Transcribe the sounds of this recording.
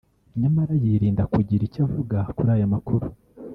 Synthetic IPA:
ɲumaɾajiɾiːndakuɟiɾicavuɡakuɾaːjamakuɾu

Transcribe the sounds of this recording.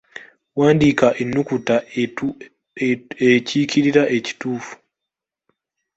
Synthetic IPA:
waːndikaʔenːukuta | eciciɾiɾaʔe̞ci̥tuːfu̥

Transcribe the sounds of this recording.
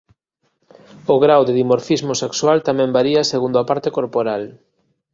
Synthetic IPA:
ʊɣɾawðɪðimoɾfizmosekswalt̪amɛ̃mbaɾiaseɣund̪oapaɾt̪ekoɾpoɾal

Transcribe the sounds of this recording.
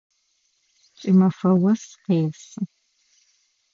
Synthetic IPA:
t͡ʃʼɪmɐfɐwɐsqeːsɨ

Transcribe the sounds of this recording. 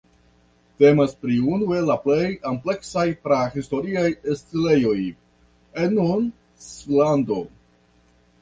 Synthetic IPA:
te̞maspɾiunue̞laple̞jample̞ksajpɾahisto̞ɾiajestile̞jo̞j | enun | slando̞

